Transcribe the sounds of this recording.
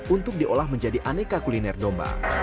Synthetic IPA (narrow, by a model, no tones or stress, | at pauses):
unt̪ʊk̚diʔolahməɲd͡ʒadiʔanekakulinɛrdomba̰